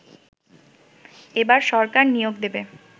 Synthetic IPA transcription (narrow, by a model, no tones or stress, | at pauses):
ebaɾʃɔɾkaɾnijoɡd̪ebe